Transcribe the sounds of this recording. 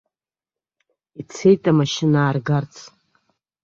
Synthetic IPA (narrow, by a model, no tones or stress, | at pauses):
it͡sʰe̞jtʼamaʃɪnaːrɡart͡sʰ